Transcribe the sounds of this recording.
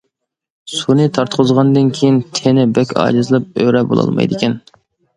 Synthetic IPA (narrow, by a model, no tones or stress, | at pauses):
sunɨt̪ʰɑɾt̪qʰʊzʁɑnd̪ɨnkʲʰejint̪ʰenɪbɛkʲʰɑ̰ːd͡ʒɨzɨlˠɨp̚øɾɛbo̰lˠɑ̰lˠmɑ̰jd̪ɪkʲɛn